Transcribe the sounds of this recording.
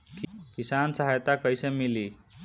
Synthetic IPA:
kisansəɦajt̪akəjsemiliː

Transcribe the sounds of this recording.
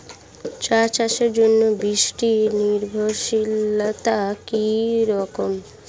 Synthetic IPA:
t͡ɕaɾt͡ɕaʃeɾd͡ʑonːobɾiʃʈiniɾbʱoʃilat̪akiɾɔkom

